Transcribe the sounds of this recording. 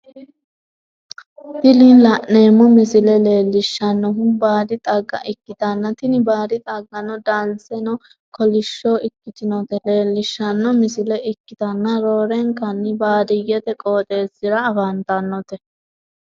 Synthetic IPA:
t̪ɪlilɐʔneːmːɔmɪsɪlɛle̞ːlːɪʃːɐnːɔɦʊmbaːd̪ɪt̪ʼɐɡːɐ̰ʔɪkːɪt̪ɐnːɐt̪ɪnɪbaːd̪ɪt̪ʼɐɡːɐnɔd̪ɐnt͡sːɛnɔ | kɔlɪʃːoːɪkːɪt̪ɪnɔt̪ɛle̞ːlːɪʃːɐnːɔmɪsɪlɛʔɪkːɪt̪ɐnːɐɾoːɾɛŋkɐnːɪbaːd̪ɪjɛt̪ɛkʼoːt̪ʼe̞ːsɪɾɐːfɐnt̪ɐnːɔt̪ɛ

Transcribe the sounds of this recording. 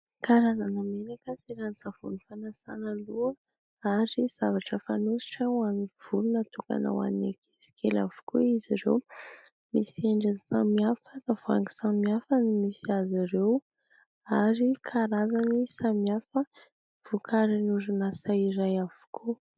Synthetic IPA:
kaɾazanameɾakəsiɾanisav̥ṵnifanasa̰nəluə | aɾiz̥avaʈ͡ʂəfanusi̥ʈ͡ʂəwamiv̥ulunət̪uka̰na̰wa̰ninaki̥si̥kʰela̰vu̥kuiziɾḛw | misieɳɖ͡ʐansamiafəkavoa̰ŋɡi̥samiafənimisiaziɾew | aɾikʰaɾazanisamiafə | v̥ukʰaɾinuɾinasaiɾajav̥u̥kʰu

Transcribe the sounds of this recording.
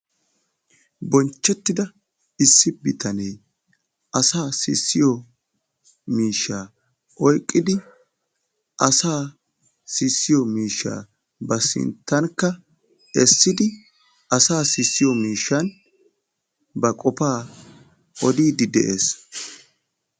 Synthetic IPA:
bɔnt͡ʃːɛt̪ːɪd̪ɐ | ɪsːɪbɪt̪ɐnɛj | ʔɐsaːsɪ̰sːɪjɔ | miːʃːaː | ʔɔjkʼːɪd̪ɪ | ʔɐsaː | sɪsːɪjɔmiːʃːa̰ː | bɐsɪ̰nt̪ːɐnkːɐ | ɛsːɪd̪ɪ | ʔɐsaːsɪsːɪjɔmiːʃːɐn | bɐkʼɔpaː | ʔɔd̪iːd̪ɪd̪ɛʔe̞ːs

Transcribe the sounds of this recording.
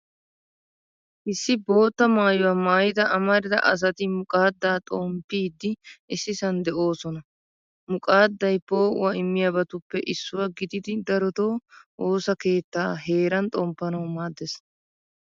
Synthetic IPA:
ʔɪsːɪbo̞ːt̪ːɐmaːjʊwaːmaːjɪd̪ɐʔɐmɐɾɪd̪ɐ̰ʔɐs̬ɐt̪ɪmʊkʼaːd̪ːaːt̪ʼoːmpːiːd̪ːɪɪsːɪsɐnd̪ɛʔo̞ːsɔnɐ | mʊkʼaːd̪ːɐjbo̞ːʊ̰wɐɪmːɪjabɐt̪ʊpːɛʔɪsːʊwɐɡɪd̪ɪd̪ɪd̪ɐɾɔt̪o̞ːʔoːsɐke̞ːt̪ːaːɦe̞ːɾɐnt̪ʼɔmpːɐnɐwmaːd̪ːɛs

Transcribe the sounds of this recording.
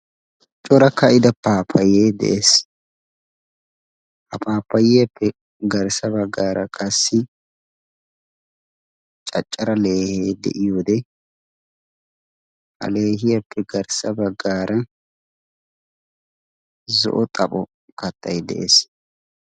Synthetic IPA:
t͡ʃʼɔɾɐkːɐɪd̪ɐpaːpʰːɐjeːd̪ɛ̰ʔes | hɐpʰaːpːɐjɪjɐpːɛ | ɡɐɾsɐbɐɡːaːɾɐkʼɐsːɪ | t͡ʃʼɐt͡ʃʼːɐɾɐle̞ːheːd̪ɛ̰ʔɪjoːd̪ɛ | ɐ̰le̞ːɦɪjɐpʰːɛɡɐɾsɐbɐɡːaːɾɐ | zɔ̰ʔɔt̪ʼɐpʼɔ | kɐt̪ːɐjd̪ɛ̰ʔḛs

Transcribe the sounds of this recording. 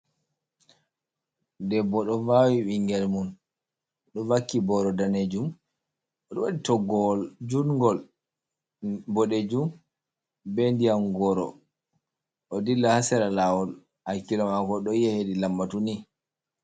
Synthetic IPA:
ndɛbɔɗɔvawiɓiŋɡɛlmun | ɗɔvakːibɔɾɔdaned͡ʒum | ɔɗɔwaɗitɔɡɔld͡ʒunŋɡɔl | bɔɗed͡ʒum | bendijamɡɔɾɔ̰ | ʔɔdilːahasɛɾalawɔl | hakːilɔmakɔɗɔijɛhedilamːatuni

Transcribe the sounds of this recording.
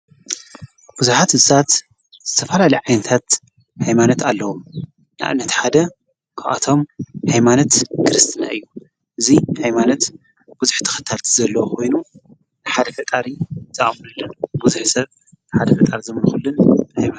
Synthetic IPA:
b̥uzuħat̪hɨzsat̪ | z̥ɨt̪ʰɐfɐlalɐjʕajnɐt̪ʰat̪ | hajmanot̪ʰalːɐwom | nɨʔa̰βnːɐt̪ħad̪ɐ | kʰaa̰t̪ʰo̞mhajmanot̪kʰɨɾɨst̪ʰɨna̰ʔɨjːu | ʔɨzihajmanot̪ | b̥uzuħt̪ʰɨ̥xɨt̪ʰːalt̪ʰizɐlːɐwokʰo̞jnu | nɨħad̪ɐfɐt̪ʼaɾizʼaʔʼmnɨlːɐnbuzuħsɐβ | nɨħad̪ɐfɐt̪ʼaɾizɨmɨnxulːɨnhajma

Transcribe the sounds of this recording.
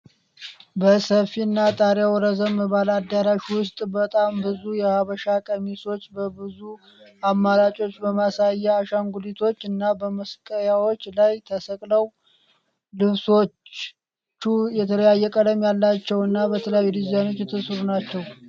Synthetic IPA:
bəsəfiɨnːat̪ʼaɾjawɔɾəzəmːəβalad̪aɾaʃwʊst̪ʼbət̪ʼambɨzujɛhaβəʃakʼəmiso̞t͡ʃːbəbɨzu | amːaɾat͡ʃʼo̞t͡ʃːbəmasajːɛaʃaŋɡulit̪ʰo̞t͡ʃːɨnːabəməskʼəjawo̞t͡ʃːlajt̪ʰəsəkʼləw | lɨβso̞t͡ʃː | ujɛt̪ʰələjajːɛkʼəd̪əmjalːat͡ʃːɛwɨnːabət̪ʰəljawid̪izjano̞t͡ʃːjɛt̪ʰːɨsɾunat͡ʃːɛw

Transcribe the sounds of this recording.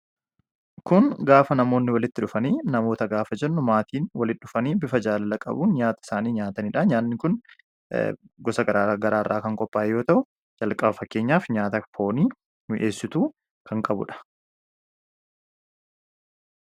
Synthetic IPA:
kʊŋɡaːfɐnɐmo̞ːnːɪwɐlɪt̪ːɪᶑʊfɐniːnɐmo̞ːt̪ɐɡaːfɐd͡ʒɛnːʊmaːt̪iːnwɐlɪɗʊfɐniːbɪfɐd͡ʒaːlɐlɐkʼɐ̰buːnɲaːt̪ɐɪ̥saːniːɲaːt̪ɐnɪᶑaɲaːnːɪkʊn | ɡɔsɐɡɐɾaːɡɐɾaːrːʔaːkɐŋkʼɔpːaːʔɛjo̞ːt̪ɐʔʊ | d͡ʒɐlkʼɐbfɐkːe̞ːɲːaːfɲaːt̪ɐfo̞ːniː | mɪʔe̞ːsːɪt̪uː | kɐŋkʼɐbʊ̰ᶑɐ̥

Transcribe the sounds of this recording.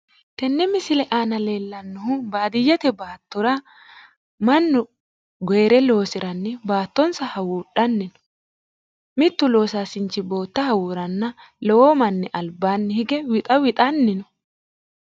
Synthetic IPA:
t̪ɛnːɛmɪsɪlɛʔaːnɐleːlːɐnːʊhʊbaːd̪ɪjːɐt̪ɛbaːt̪ːɔɾɐ | mɐnːʊ | ɡɔjɾɛlo̞ːsɪɾʔɐnːɪbaːt̪ːɔnsɐhɐwuːɗɐnːɪnɔ̥ | mɪt̪ːʊlo̞ːsaːsɪnt͡ʃːɪbo̞ːt̪ːɐhɐwuːɾɐnːɐ | lɔwoːmɐnːɛʔɐlbːaːnːɪhɪɡɛwɪt̪ʼɐwɪt̪ʼɐnːɪnɔ

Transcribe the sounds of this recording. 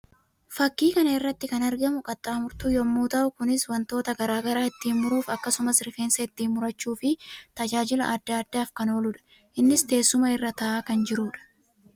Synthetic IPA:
fɐkːiːkɐnɐɪrːɐt̪ːɪkɐnɐɾɡɐmʊkʼɐt̪ʼːaːmʊɾt̪uːjɔmːuːt̪ɐʔʊkʊnɪswɐnt̪o̞ːt̪ɐɡɐɾaːɡɐɾaːɪt̪ːiːnmʊɾuːfɐkːɐsʊmɐsɪɾfe̞ːnsɐɪt̪ːiːnːʊɾɐt͡ʃːuːfɪt̪ɐd͡ʒaːd͡ʒɪlɐʔɐd̪ːɐːd̪ːaːfkɐno̞ːlʊᶑɐ̥ | ʔɪnːɪst̪e̞ːsːʊmɐɪrːɐt̪ɐʔaːkɐnd͡ʒɪɾuːᶑɐ̥

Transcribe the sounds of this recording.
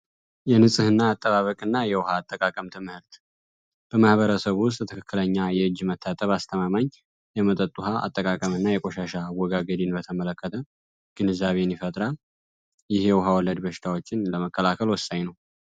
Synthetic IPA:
jɛnɨsʼɨhɨnːaːt̪ʼːəβaβəkʼɨnːajɛwʊhaːt̪ʼːəkʼakʼəmt̪ʰɨmhɨɾt̪ | b̥əmahβəɾəsəβwʊst̪ʼt̪ʰɨkʰɨkʰːɨləɲːajɛɨd͡ʒmət̪ʰːat̪ʼəβast̪ʰəmamaɲ | jɛmət̪ʼət̪ʼːuhaa̰t̪ʼːəkʼakʼəmɨnːajɛkʼoʃaʃawɔɡaɡəd̪inbət̪ʰəmələkːət̪ʰə | ɡ̥ɨnɨzːaβe̞nːiɪfət̪ʼɾal | jɪhjɛwɦawɔlːəd̪bəʃɪ̥t̪ʰawot͡ʃːɪnləməkʰʼːəlakʰəlwɔsaɲnəw

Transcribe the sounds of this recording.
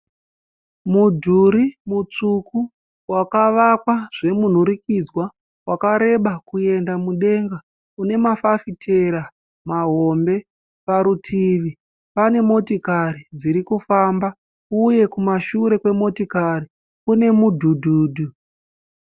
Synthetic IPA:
mudʱuɾimut͡ʂuku | wakaʋakwaʐ̥e̞mun̤uɾikid͡zwa | wakaɾe̞ɓakue̞ndamuɗe̞ŋɡa | une̞mafafitʰe̞ɾa | maɦo̞mbe̞ | paɾutʰiʋi | pane̞mo̞tikaɾid͡ziɾikufamba | uje̞kumaʃuɾe̞kwe̞mo̞tikaɾi | kune̞mudʱudʱuːdʱu

